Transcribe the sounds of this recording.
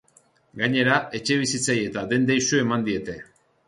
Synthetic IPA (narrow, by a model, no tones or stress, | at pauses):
ɡaɲe̞ɾae̞t͡ʃe̞β̞isit͡saje̞t̪aðe̞nd̪ejsue̞mand̪ie̞t̪e̞